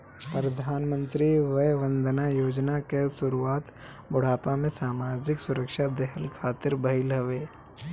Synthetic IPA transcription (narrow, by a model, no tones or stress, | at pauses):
pɾəd̪ʱaːnmə̃nt̪ɾiʋɐjʋə̃nd̪ʱnajoːd͡ʒnakesʊɾuaːt̪ | bʊɽ̤aːpamẽsaːmaːd͡ʒɪksʊɾəkʃad̪ɛɦəlkʰaːt̪ɪɾbɐɪlɦɐʋeː